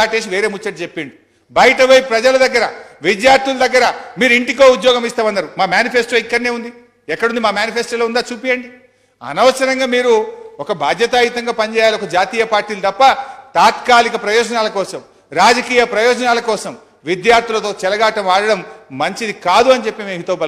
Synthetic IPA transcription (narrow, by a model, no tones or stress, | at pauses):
aːʈe̞ːs̬iʋe̞ːɾe̞ːmut͡ʃːɐʈːit͡ʃepːiɳɖi | bɐjɐʈɐʋoːjipɾɐd͡ʒɐlɐd̪ɐɡːɐɾɐʋid̪jaːɾt̪ʰulɐd̪ɐɡːɐɾɐmiːɾuiɳʈiko̞ːud̪jɔːɡɐmist̪aːmɐnːɐɾumaːmjaːnipʰesʈoːikːɐɽne̞ːund̪i | ɛkːɐɽund̪imaːmjaːnipʰeːsʈoloːund̪aːt͡ʃuːpijɐɳɖi | ɐ̰nɐʋɐsɐɾɐŋɡaːmiːɾuɔkɐbʱaːd̪ʱjɐt̪aːit̪ɐŋɡaːpɐɲd͡ʒɛːjaːliɔkɐd͡ʒaːt̪iːjɐpaːɾʈiːlɐt̪ɐpːɐt̪aːt̪kaːlikɐpɾɐjɔːd͡ʒɐnaːlɐkɔːsɐm | ɾaːd͡ʒɐkiːjɐpɾɐjɔːd͡ʒɐnaːlɐkɔːsɐm | ʋid̪jaːɾt̪ʰilɐt̪oːt͡ʃɛlɐɡaːʈɐmaːɽɐɽɐmːɐɲt͡ʃid̪ikaːd̪uɐnit͡ʃepːimemɦut̪ɐɐbɐ